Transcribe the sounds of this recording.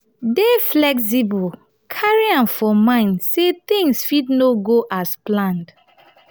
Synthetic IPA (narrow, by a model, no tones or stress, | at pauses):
deflɛks̬ibɔl | kʰaɹiãmfɔmãɪ̃ndset̪ĩŋsfidnoɡoʔasplãnd